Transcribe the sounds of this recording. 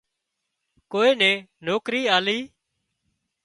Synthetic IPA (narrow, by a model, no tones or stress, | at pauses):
koːeːnɛ̃ːnoːkɾiːaːliː